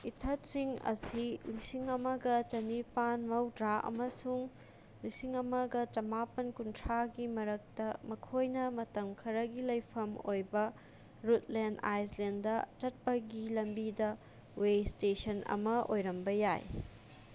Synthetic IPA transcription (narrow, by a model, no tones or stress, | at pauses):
itʰɐtsiŋɐ̰silisiŋɐmɐɡɐt͡ʃɐnipanmɐwdɾaʔɐ̰mɐsuŋ | lisiŋɐmɐɡɐt͡ʃɐmapɐnkuntʰɾaɡimɐɾɐk̚tɐmɐkʰojnɐmɐtɐmkʰɐɾɐɡilɐjpʰɐmojbɐ | ɾutlenda̰jslenddɐt͡ʃɐt̚pɐɡilɐmbidɐ | westesɐnɐ̰mɐʔojɾɐmbɐjaj